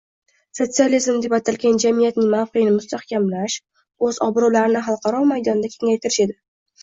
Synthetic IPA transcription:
so̞t̪sializmd̪e̞pat̪ʰalɡʲand͡ʒamijat̪̚nɪŋmawqʰeɪnɪmʊst̪ahkʲamlaʃ | ɵzɒbɾulaɾɪnɪɦɑlˠqʰɑɾɒmajd̪ɒnd̪akʲʰe̞ŋajt̪ʰɪɾɪʃe̞d̪ɪ

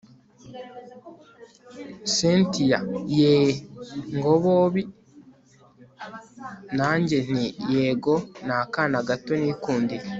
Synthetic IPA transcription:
sentijaje | ŋɡoβoβi | naːɲɟen̥ijeɡonakanaɡatonikuːndi

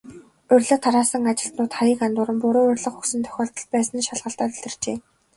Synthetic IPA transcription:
ɵrʲɮə̆t̪ʰaɾaːsə̆ŋat͡ɕɪ̆ɬt̪nʊːt̪χaɾiːkant̪ʊɾə̆mpʊɾoːɵrʲɮə̆χxuksɘ̆nt̪ʰœ̥xʲɔːɬt̪ɞ̆ɮ̚pæːsə̆nʃaɮʁə̆ɬt̪aːt̪ɵɮɘ̆r̥t͡ɕeː

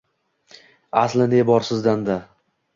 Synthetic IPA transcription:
aslɪnebɒɾsɪzd̪and̪a

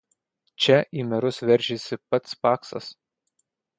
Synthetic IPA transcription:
t͡ʃʲɛʔiːmʲɛɾʊsʋʲɛɾʲˑʒʲɪsʲɪpɐt̪spɑːksɐ̰s

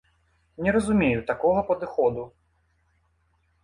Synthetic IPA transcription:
nʲɛɾɐzumʲejut̪akɔɣɐpɐd̪ɨxɔd̪u

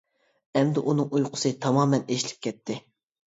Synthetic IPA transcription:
ɛmd̪ɪʔunɨŋujqʰʊ̥sɨt̪ʰɑmɑːmɛneʃlɪ̥p̚ʲkʲʰɛt̪ʰːɪ

